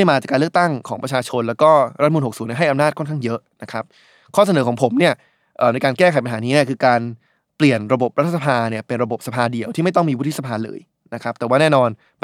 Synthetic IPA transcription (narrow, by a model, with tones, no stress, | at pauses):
jmaː˧t͡ɕa˨˩kːaː˧lk̚t̪a˥˩ŋkʰɔː˩˦ŋpɾa˧t͡ɕʰaː˧t͡ɕʰo˧nlɛː˦˥wkɔː˥˩ɾa˦t̪̚ʰːmuː˧nho˨˩k̚suː˩˦ni˥˩ɦa˥˩jʔa˧mnaː˥˩t̚ʰo˥˩nkʰa˥˩ŋjɤ˦˥ʔna˦˥kʰɾa˦˥p̚ | kʰɔː˥˩sa˧nɤː˩˦kʰɔː˩˦ŋpʰo˩˦mni˥˩ɐ | ʔəː˨˩na˧jkaː˧nkɛː˥˩kʰa˩˦jpa˧nɦaː˩˦niː˦˥nɛː˥˩kʰɯː˧kaː˧n | pli˨˩ənɾa˧bo˨˩p̚ɾa˦t̪ʰːa˧sa˧pʰaː˧ni˥˩ɐpe˧nɾa˧bo˨˩p̚sa˧pʰaː˧di˨˩əwt̪ʰiː˥˩ma˥˩jt̪ɔ˥˩ŋmiː˧wt̪ʰi˦˥sa˧pʰaː˧lɤ̰ː˧j | na˦˥kʰɾa˦˥p̚t̪ɛː˨˩waː˥˩nɛː˥˩nɔː˧n